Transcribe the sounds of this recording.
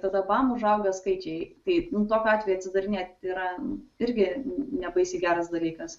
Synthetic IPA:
t̪ɐd̪ɐbɑːmʊʒɐʊɡʲɐskɐɪt͡ʃʲɛɪt̪ɐɪnʊt̪oːkʲoɑːt̪ʲʋʲɛjuɐt̪sʲɪd̪ɐɾʲɪnʲeːt̪iːɾɐɪɾʲɡʲɪnʲɛbɐɪsʲiːɡʲæːɾɐsd̪ɐlʲiːkɐs

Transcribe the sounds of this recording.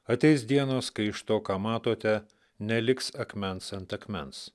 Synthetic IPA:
ɐt̪ʲɛɪsd̪ʲiɛnoːskɐɪɪʃt̪oːkɑːmɑːt̪oːt̪ʲɛ | nʲɛlʲɪksɐkmʲɛnsɐnt̪ɐkmʲɛns

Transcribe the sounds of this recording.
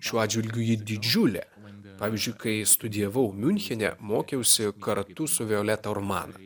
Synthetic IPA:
ʃʲuːɑːd̪ʲd͡ʒʲʋʲɪlʲɡʲʊjɪd̪ʲɪd͡ʒʲʊlʲɛ̰ː | pɑːʋʲɪzʲd͡ʒʲʊɪkɐɪst̪ʊd̪ʲɪjɛʋɐʊmʲʊnʲxʲɛnʲɛ̰moːkʲɛʊsʲɪkɐɾt̪ʊsʊʋʲɪoːlʲɛt̪ɐɔɾmɑ̰ːnɐ

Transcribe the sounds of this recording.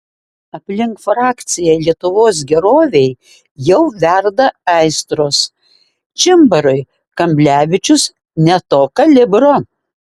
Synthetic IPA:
ɐpʲlʲɪŋkfɾɑːkt̪sʲɪjɛlʲiɛt̪ʊʋoːs̬ɡʲɛɾoːʋʲɛj | jɛʊʋʲæɾd̪ɐɛɪst̪ɾoːs | t͡ʃʲɪmbɐɾʊɪ | kɐmʲbʲlʲæːʋʲɪt͡ʃʲʊs | nʲɛt̪oːkɐlʲɪbɾo

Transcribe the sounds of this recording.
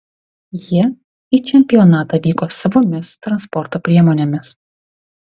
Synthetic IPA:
ji | iːt͡ʃʲɛmʲpʲɪɔnɑːt̪ɐʋʲiːkoːsɐʋoːmʲɪst̪ɾɐnspɔɾt̪oːpʲɾʲiɛmɔnʲɛmʲɪs

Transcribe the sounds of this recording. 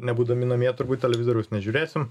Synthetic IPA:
nʲɛbuːd̪ɐmʲɪnɐmʲiːt̪ʊɾbuːt̪̚ʲtʲɛlʲɛʋʲɪzoːɾʲɛʊsnʲɛʒʲuːɾʲeːsʲɪm

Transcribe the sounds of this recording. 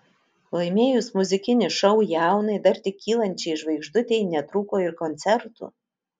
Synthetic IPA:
lˠɐɪmʲeːjʊsmʊzʲɪkʲɪnʲɪʃɐʊjɛˑʊnɐɪd̪ɐɾt̪ʲɪkʲːiːlˠɐnʲt͡ʃʲɛɪʒʋɐɪɡʒd̪ʊt̪ʲɛɪnʲɛt̪ɾuːkoːɪɾkɔnʲt̪sʲɛɾt̪ṵː

